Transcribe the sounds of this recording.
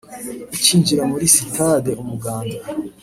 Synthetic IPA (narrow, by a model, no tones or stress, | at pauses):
iciːɲd͡ʒiɾamuɾisitʰadeʔumuɡaːnda